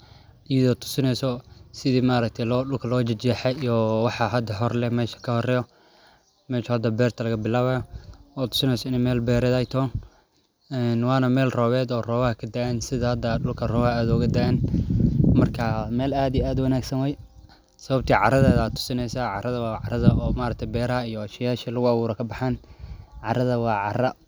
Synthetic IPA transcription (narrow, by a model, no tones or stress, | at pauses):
ʔɪjɐðɔt̪ʰʊ̥sɪnɛjsɔsɪðiːmaːɾɐk̚t̪ʰɛlɔːɗʊlkʰɐlɔːt͡ʃɐt͡ʃɛːħɛɔwɑħɑɦɐd̪ɐɦɔrlɛmɛːʃɐ̥kʰɐhɔrɛjɔ | mɛːʃɐhɐd̪ɐbɛːrt̪ʰɐlɐɣɐbɪlaːβɐjɔɔːt̪ʰʊ̥sɪnɛsɔɪnɛmɛːlbɛːɾɛðaːjt̪ʰɔːn | ɛnwɑːnɐmɛːlrɔːβɛːd̪ɔːrɔːβɐhkʰɐd̪aʔɛnsɪðɐhɐd̪ɐɗʊlkʰɐrɔːβɐaːðɔɣɐd̪aʔɛːn | mɐrkʰɐmɛːlaːd̪ijaːd̪wɑnaːɡsɐnwɛj | sɐβɐb̚t̪ʰiːʕɑ̰ɾɐðɛːðaːt̪ʰʊ̥sɪnɛsaʕɑ̰ɾɐðɐwɑːʕɑɾɐðɐʔɔːmaːɾɐkt̪ʰjbɛːɾɐɐijɔɐʃɐjaːʃiːlɐɣʊawuːɾɐkʰɐbɑħaːnʕɑɾɐðɐwɑːʕɑrɐ